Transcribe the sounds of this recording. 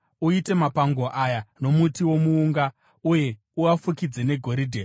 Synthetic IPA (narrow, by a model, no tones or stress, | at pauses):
uite̞mapaŋɡo̞ʔajano̞mutiwo̞muːŋɡa | uje̞ | uafukid͡zene̞ɡʱo̞ɾidʱe